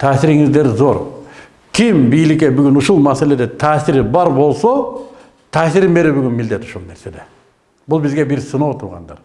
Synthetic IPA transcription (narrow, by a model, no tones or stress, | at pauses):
t̪ʰæːsɪɾɪŋɪzd̪e̞ɾzo̞ɾ | kʲʰɪmbijlɪkʲe̞bʏɡʲɪnʊʃulˠmæse̞le̞d̪e̞t̪ʰæːsɪɾɪbɑɾbo̞lˠso | t̪ʰæːsɪɾɪmbe̞ɾebʏɡʲɪnmɪld̪e̞t̪ʊ̥ʃulˠneɾse̞d̪e̞ | bʊlˠbɪzɡʲe̞bɪɾsənɑwt̪ʰuɾʁɑ̰nd̪ɑ̰ɾ